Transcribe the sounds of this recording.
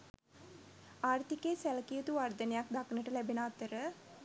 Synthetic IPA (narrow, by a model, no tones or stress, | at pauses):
aːrt̪ikesæləkijət̪uʋard̪ənejak̚d̪aknəʈəlæbenəːt̪əɾə